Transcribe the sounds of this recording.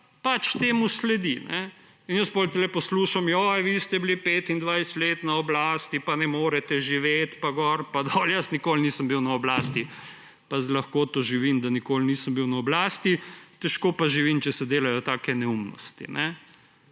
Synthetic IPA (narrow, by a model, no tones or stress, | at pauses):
pat͡ʃt̪eːmuslɛd̪inɛ | injəspolt̪ɛlɛpɔsluːʃamjɔjʋist̪ɛblipeːt̪ind̪ʋajsɛ̥t̪leːt̪naɔblaːst̪ipanɛmoːɾɛt̪ɛʒiʋeːt̪paɡɔɾpad̪ɔljəsnikolniːsəmbiwnaɔblaːst̪i | pazlɐxkoːt̪oʒiʋiːmd̪anikoːlniːsəmbiwnaɔblaːst̪it̪ɛʃkoːpaʒiʋimt͡ʃɛsɛd̪eːlajɔt̪aːkɛnɛumnɔ̰st̪ḭnɛ